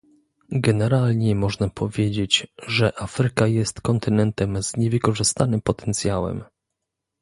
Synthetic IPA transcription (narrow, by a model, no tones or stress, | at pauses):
ɡɛnɛɾalɲɛmɔʐnapʰɔvʲjed͡ʑet͡ɕʐɛʔafɾɘkajɛst̪kɔnt̪ɘnɛnt̪ɛmzɲɛvɘkɔʐɘst̪anɘmpɔt̪ɛ̥nt̪sʲjawɛ̰m